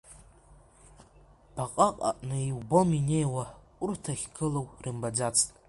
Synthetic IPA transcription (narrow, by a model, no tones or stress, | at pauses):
b̥aqʼaqʼa̰ʔʼnɨiwbominejwa | ʊrtʰaχʲɡʰɨlowrɨmbad͡zat͡sʰʼtʼ